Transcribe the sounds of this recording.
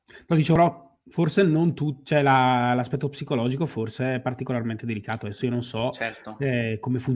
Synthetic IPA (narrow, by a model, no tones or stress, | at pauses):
lod̪it͡ʃevoɾɔ | forsenont̪ut͡ʃɛlalaspɛt̪ːopsikolɔːd͡ʒikoforseɛpːart̪ikolarment̪ed̪elikaːt̪oad̪ɛsːoiononsɔt͡ʃɛt̪oɛkomefun